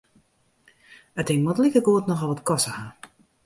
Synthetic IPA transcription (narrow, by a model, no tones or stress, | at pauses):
ətɪŋmɔtlikəɡoːətnɔxɔlˠɔtkɔsəha